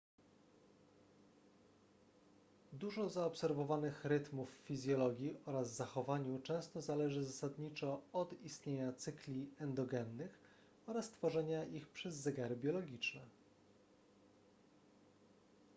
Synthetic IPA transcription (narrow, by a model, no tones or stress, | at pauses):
d̪uʐɔzaɔpsɛɾvɔvanɘxɾɘt̪mufːizʲjɔlɔɡʲjiʔɔɾazzaxɔvaɲut͡ʂɛ̃w̃st̪ɔzalɛʐɘzasad̪ɲit͡ʂɔɔd̪ist̪ɲeɲat̪sɘklʲiɛnd̪ɔɡɛnːɘx | ɔɾast̪fɔʐɛɲaʔixpʂɛzːɛɡaɾɘbʲjɔlɔɡʲit͡ʂnɛ